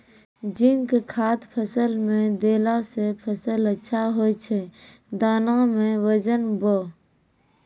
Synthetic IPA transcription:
d͡ʒɪŋkkʰaːt̪pʰəsəlmẽd̪eːlasepʰəsələtːʃʰaɦoːt͡ʃʰe | d̪aːnamẽwəd͡ʒənboː

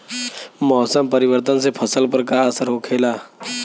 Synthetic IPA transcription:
mɔːsəmpəɾiʋəɾt̪ənsepʰəsəlpəɾkaəsəɾɦokʰelaː

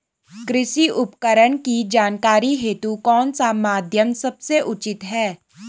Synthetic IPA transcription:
kɾɪʃiʔʊpkəɾəɳ̃kid͡ʒaːnkaːɾiɦeːt̪ukɔːnsamaːd̪ʱjəmsɐbseʔʊt͡ʃɪt̪ɦɛː

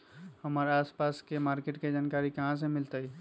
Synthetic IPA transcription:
həmaːɾaːspaːskemaːɾkeʈked͡ʒaːnkaːɾikɐɦãs̬emɪlt̪əi

